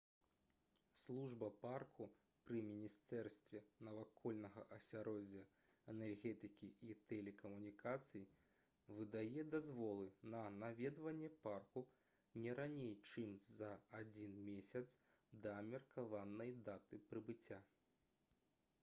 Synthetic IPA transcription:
slˠuʐbɐparkʰu | pɾɨmʲinʲist̪ɛrst̪vʲɛnɐvakʰɔlʲnɐɣɐʔɐsʲaɾɔd͡zʲɐ | ɛnɛrɣʲɛt̪ɨkʲiʔit̪ɛlʲɛkɐmunʲikʰat̪sɨji | vɨd̪ajɛd̪azvɔlˠɨnɐnavʲɛd̪vɐnʲːɛparku | nʲɛɾanʲejt͡ʂɨmzɐad͡zʲinmʲesʲɐt̪s | d̪ɐmʲɛrkʰavanːɐjd̪at̪ɨpɾɨbɨt͡sʲːa

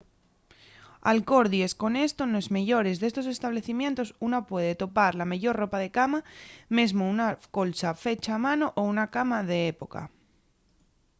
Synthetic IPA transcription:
a̰lko̞ɾðie̞sko̞ne̞st̪o̞noezmeʝo̞ɾe̞zðe̞st̪o̞se̞st̪aβle̞θimjẽ̞nt̪o̞sunapweð̞e̞t̪o̞paɾlameʝo̞rro̞paðe̞kamame̞zmounako̞lsafe̞t͡ʃaːmãnoʔounakamaðe̞epo̞ka̰

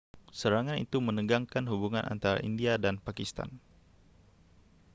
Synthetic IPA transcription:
səɾaŋanḭt̪umənəɡaŋkanɦubuŋanʔa̰nt̪aɾa̰ʔindiadanpakist̪a̰n

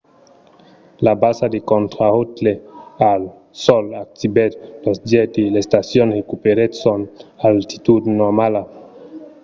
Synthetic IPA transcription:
labasad̪ekont̪ɾaot̪leal | sɔlak̚t̪ibet̪losd̪jɛt̪ilest̪asjonrekupeɾet̪sonalt̪i̥t̪ud̪nomala

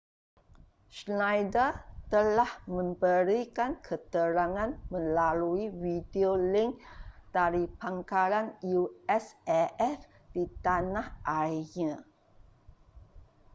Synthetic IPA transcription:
ʃnajdət̪əlahmə̃mbəɾikankʰət̪əɾaŋãnmə̃laluiwidiolɪŋk̚d̥aɾipaŋkaɾanjuɛsɛʔɛf | d̥it̪anahʔaɲã

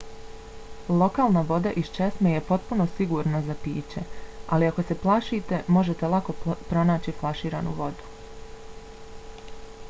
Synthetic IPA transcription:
lˠo̞kaːlˠnaʋo̞d̪aʔist͡ʃesmeje̞po̞t̪̚puno̞siɡuːɾnazapiːt͡ʃe̞aliako̞se̞plˠaʃit̪e̞mo̞ʒe̞t̪elˠako̞pɾo̞naːt͡ɕiflˠaʃiːɾanuʋo̞d̪u̥

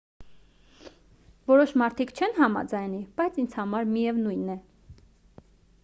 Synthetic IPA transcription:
vɔɾɔʃmɑɾt̪ʰikt͡ʃʰɛnɦɑmɑ̰d͡zɑjnib̥ɑjt͡sʰind͡zʰhɑmɑɾmijɛvnujnːɛ

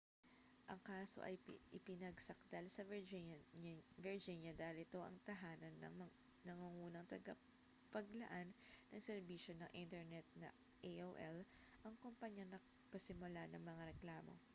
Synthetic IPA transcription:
ʔɐŋkaːso̞̰ʔɐ̰jʔɪpɪnɐɡsɐk̚d̪̥ɐlsɐ | vɪɹd͡ʒinjɐd̪aːhɪlɪt̪o̞ʔɐ̰ŋt̪ɐɦaːnɐnːɐŋmɐ | nɐŋuŋuːnɐŋt̪ɐɡɐ | pɐɡlɐʔanːɐŋsɛɾbiːʃo̞nɐŋʔint̪ɛɹnɛt̪̚nɐ̰ | ʔeʔowʔɛl | ʔɐŋkompɐɲjɐnɐ | pɐsɪmʊlanɐŋmɐŋaɾɛklaːmo̞̰

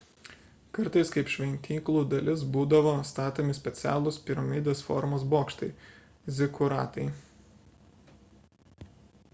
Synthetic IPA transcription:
kɐɾt̪ɐɪskɐɪpʃʲʋʲɛnʲt̪ʲiːklˠuːd̪ɐlʲɪsbuːd̪ɐʋoːst̪ɑːt̪oːmʲɪsʲpʲɛt̪sʲæ̰ːlˠʊspʲɪɾɐmʲiːd̪ʲeːsfɔ̰ɾmoːsboːkʃt̪ɐɪ | zʲɪkʊɾɑ̰ːt̪ɐɪ

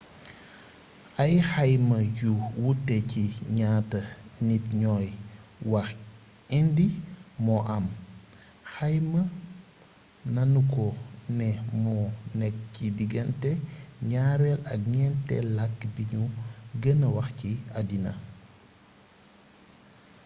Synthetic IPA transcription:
ɐjxɐjmɐjuwutːɛciɲaːtɐnitɲɔːjwɐx | ɛndimɔʔɐm | xɐjmɐ | nɐnukɔnɛmɔnɛk̚cidiɡɐntɛɲaːɾɛlɐk̚ɲɛntɛ̰lakːbiɲuɡənɐwɐxciɐdinɐ̰

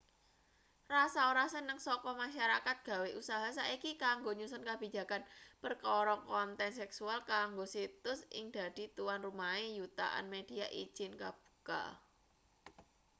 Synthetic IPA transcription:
rasaoɾasənəŋsɔkɔmaʃaɾakat̪̚ɡ̥a̤weʔusaɦasaikikaŋɡoɲusɔnkab̥i̤d͡ʒa̤kanbərkɔɾɔkɔnt̪ɛnsɛksualkaŋɡosit̪ʊsʔɪ̰ŋd̪̥a̤d̪̥i̤t̪uwanrumaejut̪a̰ʔa̰nmed̥i̤aʔi̥ʒ̥ɪnkab̥u̥ka̰

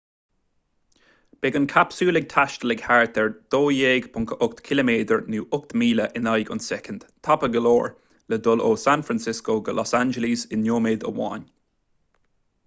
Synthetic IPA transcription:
b̥ɛɡənkʰapsuːlɪɡ̚t̪ʰaʃtəlɪɡhaɹt̪ʰɛɹd̪̥oːjeːɡpʰʊŋkʰəʔʊk̚t̪kʰɪləmeːd̪əɹnuːʔʊkt̪miːləʔɪnajɡʊ̰nsɛkənd̪̥t̪ʰapəɡəloːɹ | ləd̪ʊloːsanfɾansɪskoːɡəlʔɔsand͡ʒəlisɪnjoːmeːd̪ə̰wa̰n

